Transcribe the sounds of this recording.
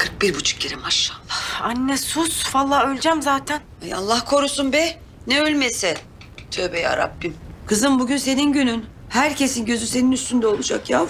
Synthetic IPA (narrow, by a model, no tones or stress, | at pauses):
kʰɯɾk̚biɾbut͡ʃʰu̥k̚ɟeɾimaʃːalˠːahanːɛsusvalˠːaølʲd͡ʒæmzaːt̪ʰænaja̰lˠːahkʰo̞ɾusunbɛ | nɛølʲmesɛ | t̪ʰøːbeja̰ːɾa̰bːimkʰɯzɯnbuɟynse̞ninɟynyn | hæɾcʰe̞sinɟø̞zynse̞ninyst̪ʰynd̪ɛo̞lˠud͡ʒakjaː